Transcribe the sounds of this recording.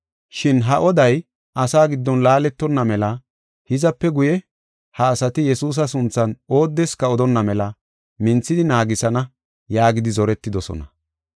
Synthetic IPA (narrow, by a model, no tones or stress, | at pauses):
ʃɪnɦɐʔɔd̪ɐj | ʔɐsaːɡɪd̪ːɔnlaːlɛt̪ːɔnːɐmɛlɐ | hɪzɐpːɛɡʊjɛ | hɐːsɐt̪ɪjɛsuːs̬ɐs̬ʊnt͡sːɐno̞ːd̪ːɛskɐɔd̪ɔnːɐmɛlɐ | mɪnt͡sːɪd̪ɪnaːɡɪsɐnɐ | jaːɡɪd̪ɪzɔɾɛt̪ːɪd̪ɔsɔ̰nɐ̰